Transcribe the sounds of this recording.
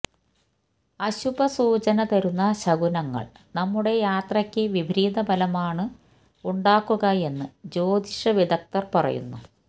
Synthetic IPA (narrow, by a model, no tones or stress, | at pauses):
ɐɕubɐsuːt͡ɕɐnɐt̪ɐɾunːɐɕɐɡunɐŋːɐ̰ɭ | nɐmːuɽe̞jaːt̪rɐkʲːɨʋibʱɾiːd̪ɐbʱɐlɐmaːɳɨ | uɳɖaːkːuɣɐe̞nːɨd͡ʑo̞ːd̪iʂɐʋid̪ɐk̚t̪ɐrpɐrɐ̰jṵnːu